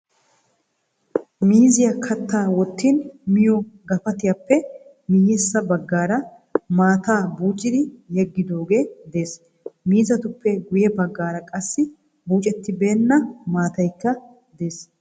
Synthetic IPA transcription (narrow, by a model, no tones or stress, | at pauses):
miːzɪjɐkʰɐt̪ːaːwɔt̪ːinmɪjɔɡɐfɐt̪ɪjapːɛ | mijɛsːɐbɐɡːaːɾɐ | maːt̪aːbuːt͡ʃʼːɪd̪ɪjɛɡːɪd̪o̞ːɡe̞ːd̪e̞ːs | miːzɐt̪ʊpːɛɡʊjɛbɐɡːaːɾɐkʼɐsːɪ | buːt͡ʃʼɛt̪ːɪbe̞ːnːɐmaːt̪ɐjkːɐ | d̪e̞ːs